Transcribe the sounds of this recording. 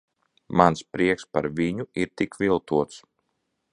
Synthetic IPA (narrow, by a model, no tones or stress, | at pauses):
manspɾiɛkspa̰ɾviɲuiɾt̪ikvʲilˠt̪uɔt̪s